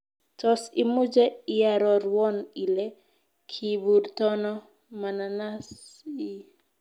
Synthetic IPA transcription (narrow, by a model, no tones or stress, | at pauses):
tɔsimud͡ʒɛɪjaɾɔɾwɔnilɛ | kʰibuɾt̪ɔnɔ | mananasi